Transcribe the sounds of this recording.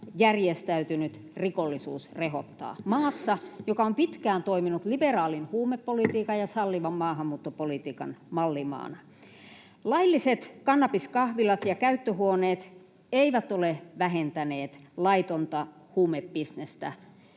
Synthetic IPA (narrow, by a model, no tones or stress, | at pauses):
jærjest̪æyt̪ynyt̪rikolːisṵːsrehot̪ːɑ̰ːmɑːsːɑjokɑompit̪kæːnt̪oiminut̪liberɑːlinhuːmepːolit̪iːkɑjɑsɑlːiʋɑmːɑːhɑmːuːt̪ːopolit̪iːkɑ̰nmɑlːimɑ̰ːnɑ | lɑilːiset̪kɑnːɑpiskɑhʋilɑt̪jɑkæyt̪ːøhuoneːt̪ | eiʋæt̪oleʋæɦent̪æneːt̪lɑit̪ont̪ɑ | huːmepbisnest̪æ̰